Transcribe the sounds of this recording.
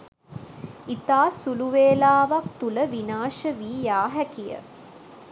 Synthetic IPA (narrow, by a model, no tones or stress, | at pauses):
it̪aːsuluʋeːlaːʋak̚t̪uləʋinaːʃəʋiːjaːɦækijə̰